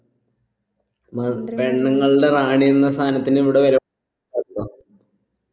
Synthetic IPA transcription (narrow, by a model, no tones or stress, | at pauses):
pe̞ɳːɐŋːɐɭɖe̞raːɳijunːɐst̪ʰaːnɐt̪ːiniʋiɽeʋɐɾɐ | aːɾunːɐ